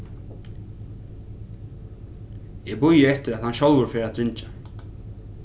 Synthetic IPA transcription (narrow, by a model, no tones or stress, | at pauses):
ɛɣbʊjɪɛft̪ɪɾaðhanʃolwʊɾfɛːɾaðt̪ʰɾɪnt͡ʃḁ